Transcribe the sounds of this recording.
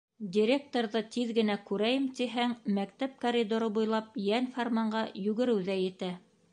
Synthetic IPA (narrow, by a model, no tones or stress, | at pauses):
d̪ʲɪɾʲek̚t̪oɾðɤt̪iðɡɘ̆nækʉɾæjɘmt̪iɦæŋmæk̚t̪æp̚koɾʲid̪oɾɤbujlˠɑp̚jænformɑɴɢɑjʉɡɘ̆ɾɘwðæjɘ̆t̪æ